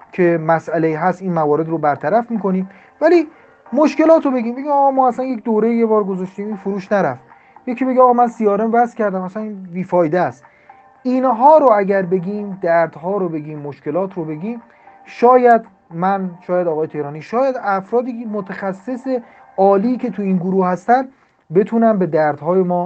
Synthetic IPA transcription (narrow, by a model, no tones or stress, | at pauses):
kʰe̞mæsʔæleiɦæst̪iːnmævɒːɾe̞d̪robæɾt̪ʰæɾæfmiːko̞niːm | væliː | moʃke̞lɒːt̪ʰɾobeɟiːmbe̞ɡɟimɒːɣɒːmɒːæsænje̞cʰd̪oːɾe̞jijebɒːɾɡozɒʃt̪iːmifoɾuːʃnæɾæf | jecʰibeɟiɒːɣɒːmænsijɒːɾemvæscʰæɾd̪æmæsæninbiːfɒːjd̪eæst̪ | iːnɦɒːɾoæɟæɾbe̞ɡiːmd̪æɾd̪hɒːɾobe̞ɡiːmːoʃke̞lɒːt̪ʰɾobe̞ɡiːm | ʃɒːjæd̪ | mænʃɒːjæd̪ɒːɣɒːjet̪ʰe̞hɾɒːniːʃɒːjæd̪æfɾɒːd̪iːmot̪ʰæxæsːe̞se | ɒːliːcʰe̞t̪ʰuiːnɡoɾuːhhæst̪ænd̪ | be̞t̪ʰuːnæmbe̞d̪æɾd̪̥hɒːjemɒː